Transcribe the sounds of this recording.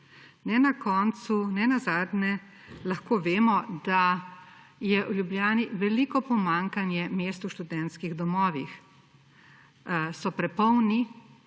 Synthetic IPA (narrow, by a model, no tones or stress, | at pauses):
nɛnakɔːnt̪sunɛnazaːd̪nɛ | laxkoːʋeːmɔd̪a | jɛʔuljubljaːniʋɛliːkɔpɔmaŋkanjɛmeːst̪uʃt̪ud̪ɛnt̪skiɣd̪ɔmɔːʋix | sɔpɾɛpɔwni